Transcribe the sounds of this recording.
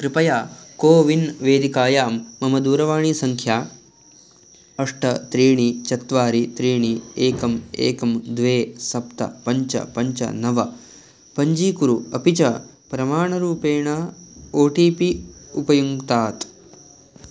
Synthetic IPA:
kɾɪpɐjaːkoːʋinʋeːd̪ikaːjaːmːɐmɐd̪uːɾɐʋaːɳisɐŋkʰjaː | ɐʂʈɐt̪ɾiːɳit͡ʃɐt̪ʋaːɾit̪ɾiːɳieːkɐmḛːkɐmd̪ʋeːsɐpt̪ɐ̰pɐɲt͡ʃɐ̰pɐɲt͡ʃɐ̰nɐʋɐ | pɐɲd͡ʒiːkuɾuɐpit͡ʃɐ | pɾɐmaːɳɐɾuːpeːɳɐoːʈiːpiupɐjuŋt̪aːt̪

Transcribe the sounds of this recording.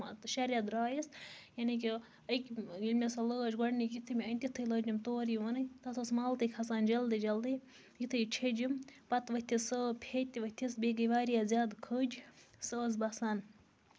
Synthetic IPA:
t̪ʃɐɾʲjɐd̪ɾaːjisjɐniki | əkʲilʲmʲesɐləːd͡ʒɡʷɐɳnikit̪ʰɨmʲiɐnʲt̪it̪ʰɨləːd͡ʒimt̪oːɾiʋɐnɨjt̪ɐt̪ʰosmaːlt̪ɨkʰɐsaːnd͡ʒɐld̪ɨd͡ʒɐld̪ɨj | jit̪ʰɨjt͡ʃʰed͡ʒimpɐt̪ʋət̪ʰʲisəpʲʰet̪ʲiʋɐt̪ʰisbʲeɡəʋaːɾijazʲjaːd̪kʰəːd͡ʒsəːzbɐsaːn

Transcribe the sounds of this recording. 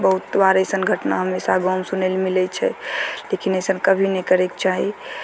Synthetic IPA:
bəɦut̪̚ːbaɾəjsənɡʱəʈnaɦəmːesaɡɔ̃msunɛelmilɛt͡ʃʰɛ̰lekinəjsənkəbʱinɛkəɾɛkt͡ʃaɦi

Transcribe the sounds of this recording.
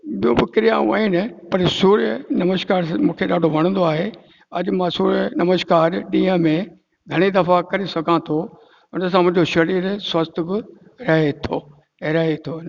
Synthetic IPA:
ɓijõbɪkɪɾijãːṵ̃a̰ːinɪpɐɾsuːɾjənɐməʃkaːɾmũːkʰeɗaːɖʱoʋɐɽ̃ə̃nd̪oaːɦe | ɐʄmãːsuːɾənɐməʃkaːɾɗĩːə̃mẽ | ɡʱɐɽ̃ed̪ɐfakɐɾesɐɡʱãt̪ʰo | ʊns̬ãmʊ̃d͡ʑoʃɐɾiːɾswɐst̪ʰbɪ | ɾɐɦet̪ʰoː | ɾɐɦet̪ʰoːn

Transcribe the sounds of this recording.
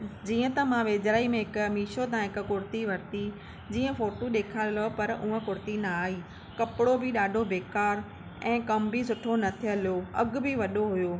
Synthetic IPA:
d͡ʑiːə̃t̪ɐmãʋeːd͡ʑɾaːimẽɦɪkmiːʃot̪̬ãɦɪkʊ̆kʊɾt̪iʋɐɾt̪i | d͡ʑiːə̃foːʈoɗeːkʰaːllopɐɾʊ̃ɦə̃kʊɾt̪inɐaːɦiː | kɐpɪɽobʱɪɗaːɖʱobeːkaːɾ | ɛ̃ːkɐmbʱisʊʈʰonɐt̪ʰiəljoɐɡbʱiʋɐɗoɦʊjoː

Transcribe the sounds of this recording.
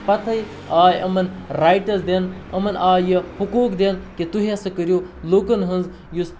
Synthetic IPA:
pɐt̪ʰɐj | aːjɐmɐnɾaːjʈɐsd̪enɐmɐnaːjihukuːkd̪enkit̪uɦiɐsɨkəɾʲjoːlokɐnɦɨnz | jus

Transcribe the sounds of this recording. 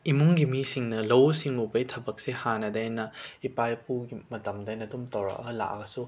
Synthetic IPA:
imuŋɡimisiŋnɐlɐwsiŋubɐjtʰɐbɐk̚sehanɐdajnɐipajpuɡimɐtɐmdajnɐdumtɐwɾɐ̰ʔɐla̰ʔɡɐsu

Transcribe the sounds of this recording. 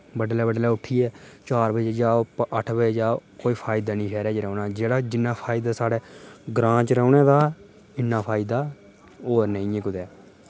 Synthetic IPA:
bəɖlɛːbəɖlɛːʊʈʰːiːɛːt͡ʃaːɾbəd͡ʒd͡ʒaːʔəʈʰbəd͡ʒaːkoːiːpʰaːɪd̪aːnĩːɛːɾɛːt͡ʃɾɛoːnaːd͡ʒeːɽaːd͡ʒɪnːãːpʰaːɪd̪aːsaːɽeːɡɾãːt͡ʃɾɛːnɛːd̪aː | ɪnːãːpʰaːɪd̪aː | oːɾnə̃ĩːẽːkʊd̪ɛː

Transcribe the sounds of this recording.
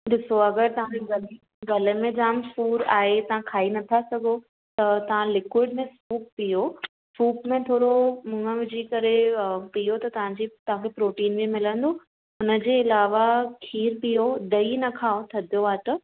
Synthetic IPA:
ɗɪsoɐɡəɾt̪ɐʋ̤ãeɡɐli | ɡɐlə̆mẽd͡ʑaːmfuːɾaːɦet̪ɐʋ̤ãkʰaːinɐt̪ʰasɐɡʱo | t̪ɐt̪ɐʋ̤ãlɪkwɪɖmẽsuːp̚pijo | suːpmẽt̪ʰoːɾomʊ̃ŋə̃ʋɪd͡ʑʱikɐɾepijot̪ɐt̪ɐʋ̤ãɲd͡ʑit̪ɐɦãkʰepɾoːʈiːnbimɪlə̃nd̪oː | ʊnə̆d͡ʑeːɪlaːʋakʰiːɾpijod̪ɐinɐkʰaːot̪ʰɐd̪ʱijoaːt̪ɐ

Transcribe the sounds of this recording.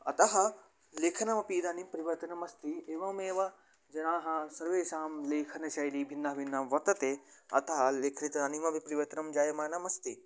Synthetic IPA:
ɐt̪ɐɦɐ | leːkʰɐnɐmɐpiːd̪ɐnimpɾiʋɐt̪ɐnɐmɐst̪ieːʋɐmeːʋɐ | d͡ʒɐnaːɦɐsɐɾʋeːʃaːmleːkʰɐnɐʃɐjliːbʱinːɐɦɐbʱinːɐmʋɐt̪ɐt̪eɐ̰t̪ɐɦɐleːkʰnit̪ɐɐnimɐbʱipɾiʋɐt̪ɐnɐmd͡ʒaːjɐmɐːnɐmɐst̪i

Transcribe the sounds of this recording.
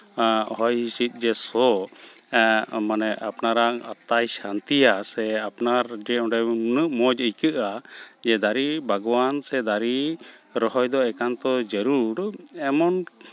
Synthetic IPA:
hɔjhisit̪̚ˀd͡ʒɛsɔ | manɛʔapnaɾaŋa̰t̪ːajsant̪ijasɛapnaɾd͡ʒɛɔ̃ɖɛnəʔmɔd͡ʒəjkɨʔad͡ʒɛd̪aɾibʱaɡɔwansɛd̪aɾiɾɔɦɔjd̪ɔɛkant̪ɔd͡ʒəɾuɾɛmɔn

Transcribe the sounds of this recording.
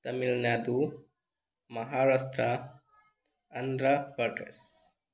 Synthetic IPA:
t̪ɐmilnaːd̪u | mɐɦaːɾast̪ɾa | ɐnd̪ɾapɐʈɾḛs

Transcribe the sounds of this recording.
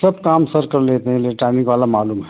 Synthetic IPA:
sɐb̚kaːmsɐɾkɐɾleːt̪eɦɛ̃leːʈaːnɪkʋaːlamaːluːmɦɛ

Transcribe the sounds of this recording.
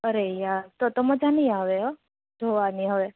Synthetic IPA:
əɾejat̪ot̪oməd͡ʒʱanəjaʋeɦɔ | d̪ʱoʋaniɦəʋe

